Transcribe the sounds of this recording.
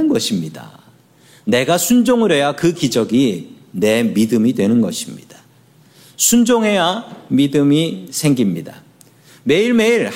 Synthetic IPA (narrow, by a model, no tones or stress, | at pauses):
nɡʌɕʰimɲida̰ | ne̞ɡasʰund͡ʑoŋɯɾjʌjakɯkid͡ʑʌɡi | ne̞midɯmidwe̞nɯnɡʌ̰ɕʰimɲid̥ḁ | sʰund͡ʑoŋɦe̞jamidɯmisʰe̞ŋɡimɲida̰ | me̞iɭme̞iɭ